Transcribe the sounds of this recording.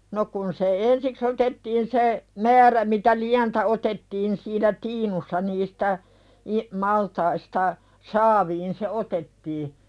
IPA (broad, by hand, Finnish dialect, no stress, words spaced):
no kun se ensiks otetːiːn se mæːræ mitæ liæntæ otetːiːn siːnæ tiːnusːɑ nistæ i mɑltɑistɑ sɑːʋiːn se otetːiː